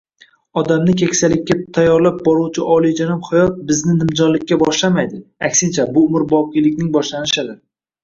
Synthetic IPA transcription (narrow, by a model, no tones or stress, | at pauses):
ɒd̪amnɪkʲʰekʲsalɪkʲːat̪ʰajːɒɾlap̚bɒɾuwt͡ʃʰɪʔɒlˠijd͡ʒanɪmhajɒt̪̚bɪznɪnɪmd͡ʒɒnlɪkʲːabɒʃlamajd̪ɪakʲsɪnt͡ʃʰabʊʊmɪɾbɒp̚qʲilɪkʲnɪŋbɒʃlanɪʃɪd̪ɪ